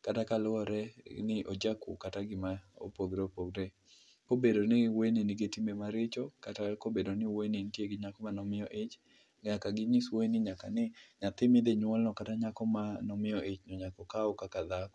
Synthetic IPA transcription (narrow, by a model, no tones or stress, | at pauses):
katakalʊɔɾɛnɪʔod͡ʒakṵkataɡɪmao̰poɡɾeopoɡɾe | kobedonɪwenenɪɡetimemaɾet͡ʃɔkatakobedonɪwenentjeɡɪɲakɔmanɔmɪjɔʔet͡ʃ | ɡakaɡɪɲiswonɪɲakanɪɲat̪ɪmɪd̪eɲwɔlnɔkataɲakɔmanɔmɪjɔʔet͡ʃɲɔɲakɔkaɔkakad̪akɔ